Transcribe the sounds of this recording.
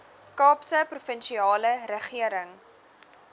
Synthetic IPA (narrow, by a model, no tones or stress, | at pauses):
kɑːpsəprufənʃiɑːləɾəχiəɾəŋ